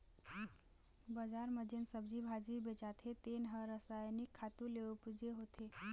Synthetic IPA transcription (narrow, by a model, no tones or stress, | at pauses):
bəd͡ʒaɾməd͡ʒensəbd͡ʒibʱad͡ʒibet͡ʃat̪ʰet̪enɦəɾəsajnikʰːat̪ulepd͡ʒeɦot̪ʰe